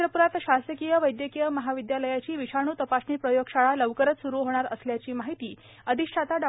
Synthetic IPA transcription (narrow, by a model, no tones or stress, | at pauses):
ɾəpuɾat̪ɕasəkijəʋəjd̪jəkijəməɦaʋid̪jaləjat͡ɕiːʋiɕaɽ̃uːt̪əpasɳiːpɾəjoɡɕaɭaləʋkəɾət͡s̪suɾuːɦoɽ̃aɾəsljat͡ɕiːmaɦit̪iː | əd̪ʱiɕʈʰat̪aɖa